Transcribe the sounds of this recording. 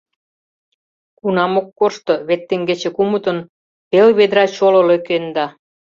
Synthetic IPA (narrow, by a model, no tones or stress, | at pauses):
kunɑmokːoʃt̪oβet̪ːeŋɡet͡ɕĕkumut̪ə̆n | pelβed̪ɾɑt͡ɕolŏløkend̪ɑ